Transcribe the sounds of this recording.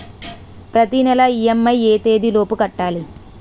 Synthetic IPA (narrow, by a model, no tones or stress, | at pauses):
pɾɐt̪inɛlɐijemːɐjeːt̪e̞ːd̪ilo̞ːpukɐʈːaːli